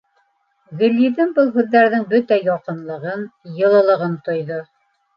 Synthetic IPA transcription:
ɡɵ̆lʲːiðɘŋbɤlˠɦʉðːæɾðɘŋbɵt̪æjɑqɤ̆nlˠɤ̆ʁɤnjɤ̆lˠɤ̆lˠɤ̆ʁɤnt̪ŏjðo

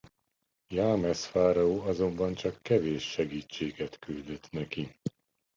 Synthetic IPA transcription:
jaːmɛsfaːɾɒoːɒzo̞mbɒnt͡ʃɒkːɛveːʃːɛɡiːt͡ʃːeːɡɛt̪kyld̪øt̪nɛki

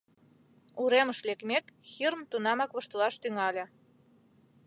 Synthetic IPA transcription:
uɾeməʃlekmʲekxirmt̪unɑmɑkβɤ̆ʃt̪əlɑʃt̪yŋɑlʲe

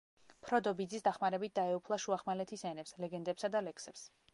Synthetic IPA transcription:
pʰɾɔd̪ɔbid̪zisd̪aχmaɾɛbit̪̚d̪aɛupʰlˠaʃuaχmalɛt̪ʰisɛnɛpslɛɡɛnd̪ɛpsad̪alɛksɛps

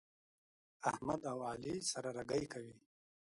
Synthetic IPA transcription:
ahmad̪awalisaɾaɾaɡajkawi

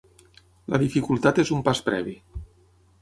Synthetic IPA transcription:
ləðifikulˠt̪at̪ezumpaspɾɛ̰βi

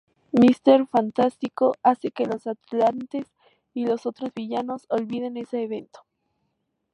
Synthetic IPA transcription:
mist̪e̞ɾfant̪ast̪iko̞ase̞ke̞lo̞sat̪lant̪es | ilo̞so̞t̪ɾo̞zβiʝano̞so̞lβið̞e̞ne̞seːβe̞nt̪o̥

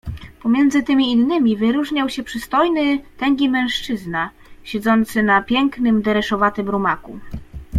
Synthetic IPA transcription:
pɔmʲjɛnd̪zɘt̪ɘmʲiːnːɘmʲivɘɾuʐɲawɕɛpʂɘst̪ɔjnɘt̪ɛŋɡʲimɛ̃ʂt͡ʂɘzna | ɕɛd̪zɔnt̪sɘnapʲjɛŋknɘmd̪ɛɾɛʂɔvat̪ɘmɾumaku

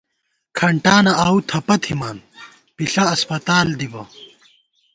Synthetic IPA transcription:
kʰɐɳʈaːnɐʔaːwt̪ʰɐpɐt̪ʰimaːn | piɬɐɐspɐt̪aːld̪ibɐ̰

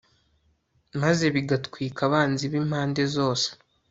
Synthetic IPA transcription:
maze̞βiɡatkwiːkaβaːnziβim̥haːnde̞zo̞ːse̥

